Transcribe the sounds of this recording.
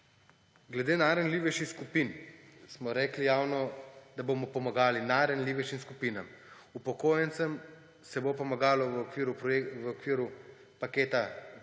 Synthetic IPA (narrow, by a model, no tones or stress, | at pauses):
ɡlɛd̪eːnaɾənliʋɛʃixskupinsmɔɾɛːklijaːwnɔd̪aboːmɔpɔmaɡaːlinaːɾənliʋɛʃimskupiːnam | upɔkoːjɛnt̪səm | sɛbopɔmaɡaːlɔʋiɾuʋəɔkʋiːɾu | pakeːt̪a